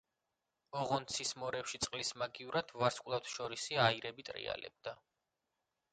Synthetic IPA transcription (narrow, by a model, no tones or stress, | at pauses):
ɔʁɔnt̪sʰismɔɾɛpʃit̪sʼqʼlismaɡiuɾad̪̥vaɾskʼlˠaft̪ʰʃɔɾisiaiɾɛbit̪ʼɾḭa̰lɛ̰b̚d̪̥a